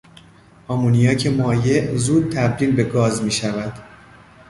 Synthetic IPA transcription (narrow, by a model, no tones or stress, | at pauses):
ʔɒːmuːnijɒːcʰe̞mɒːje̞ʔzuːd̪̚t̪ʰæbɾiːlbe̞ɡɒːzmiːʃævæd̪̥